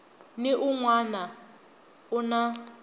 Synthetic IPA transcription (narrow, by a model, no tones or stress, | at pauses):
nɪʔuŋwana | una